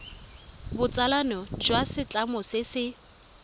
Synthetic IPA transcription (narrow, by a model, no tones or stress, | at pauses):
bʊt͡sʼalanɔd͡ʒwasɪt͡ɬʼamʊsɪsɪ